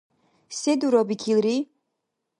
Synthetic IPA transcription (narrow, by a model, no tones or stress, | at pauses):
sɛd̪uɾɔbikʰilɾi